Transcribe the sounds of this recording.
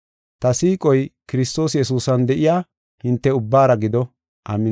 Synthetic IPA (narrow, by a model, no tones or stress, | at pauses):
t̪ɐsiːkʼɔjkɪɾɪst̪o̞ːsjɛsuːsɐnd̪ɛʔɪjaː | hɪnt̪ːɛʊbːaːɾɐɡɪd̪ɔ | ʔɐmːɪ